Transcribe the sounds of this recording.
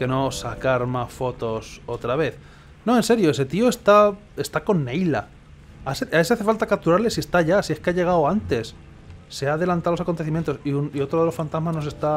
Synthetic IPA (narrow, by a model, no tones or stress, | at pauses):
ke̞no̞sakaɾmasfo̞t̪o̞so̞t̪ɾaβe̞θ | no̞e̞nse̞ɾjo̞ese̞t̪io̞e̞st̪a | e̞st̪ako̞nːe̞jla̰ | aseaes̬aθe̞falt̪akap̚t̪uɾaɾle̞sie̞st̪aʝasie̞skeaʝe̞ɣ̞awant̪e̞sː | eaːðe̞lant̪alosakont̪eθimjent̪oiunio̞t̪ɾoðelo̞sfant̪azmazno̞s̬e̞st̪a